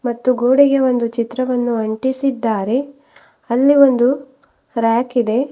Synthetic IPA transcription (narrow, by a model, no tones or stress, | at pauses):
mɐt̪ːuɡoːɽiɡe̞o̞nd̪ut͡ʃit̪ɾɐʋɐnːuɐɳʈisid̪ːaːɾe̞ | ɐlːio̞nd̪u | ɾaːkid̪e̞